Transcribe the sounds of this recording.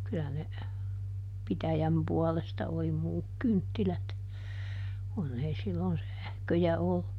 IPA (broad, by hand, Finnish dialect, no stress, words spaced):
kylæ ne pitæjæm puɔlestɑ oli muːk kyntːilæt kunː ei silːon sæhkøjæ olːu